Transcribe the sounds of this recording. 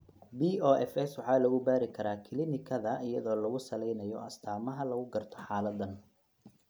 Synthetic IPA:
biːɔːʔɛfɛswɑħɑːlɐɣʊbaːɾɪkʰɐɾaːkʰɪlɪnɪkʰɐðɐɪjɐðɔːlɐɣʊsɐlɛjnɐjɔ̰ɐst̪ʰaːmɐɦɐlɐɣʊɡɐrt̪ʰɔ̥ħaːlɐd̪ɐn

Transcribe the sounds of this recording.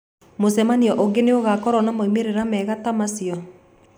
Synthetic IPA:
mosɛmaniɔʔoɡeneoɣakɔɾɔnamaimeɾeɾamɛɣatamasiɔ

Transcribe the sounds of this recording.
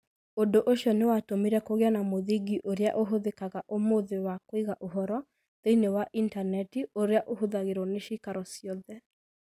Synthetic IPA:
odoʔoʃiɔnewatomiɾɛkoɣeanamoðiɡiʔoɾea̰ʔoɦoðekaɣaʔomoðewakoiɣaʔoɦɔɾɔ | ðeinewaʔintanɛtioɾeaʔohoðaɣeɾɔneʃikaɾɔsiɔðɛ

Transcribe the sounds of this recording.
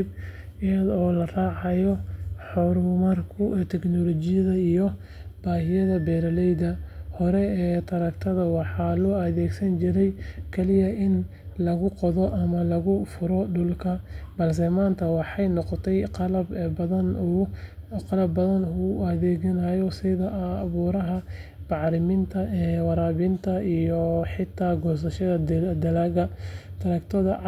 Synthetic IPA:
b | jɐðɔːlɐraːʕɑjɔħɔɾʊmɐrkʰʊɛːt̪ʰɛknɔlɔt͡ʃɪjɐðɐijɔ | b̥aːɦɪjɐðɐbɛːɾɐlɛjd̪ɐhɔɾɛɛːt̪ʰɐɾɐkt̪ʰɐðɐwɑħɑːlɔːɐðɛːɡsɐnt͡ʃɪɾɛjkʰɐlɪjɐʔɪn | lɐɣʊqɔðɔʔɐmɐlɐɣʊfʊɾɔɖʊlkʰɐbɐls̬ɐmaːnt̪ʰɐwɑħɑjnɔqɔt̪ʰɛjqɑlɐbbɐðɐn | qɑlɐbːɐðɐnʊɐðɛːɣɐnajɔsɪðɐʔːβuːɾɐɦɐbɑʕɾɪmɪnt̪ʰɐɛwɑɾaːβɪnt̪ʰɐijɔħɪt̪ʰːaːɡɔs̬ɐʃɐðɐd̪ɐlaːɣɐt̪ʰɐɾɐkt̪ʰɐðɐ

